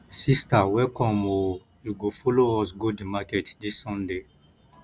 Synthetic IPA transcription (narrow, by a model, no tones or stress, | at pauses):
sistawɛlkɔ̃mo | juɡofoloɔsɡodimakɛtdisːɔ̃nde